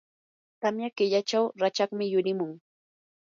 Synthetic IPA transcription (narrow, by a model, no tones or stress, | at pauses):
t̪amjakɪʎat͡ʃawɾat͡ʃakmɪjʊɾɪmʊŋ